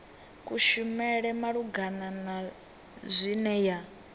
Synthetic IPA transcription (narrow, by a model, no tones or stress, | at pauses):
kʼuʃumɛɺɛmaɺuɡanana | zʷinɛja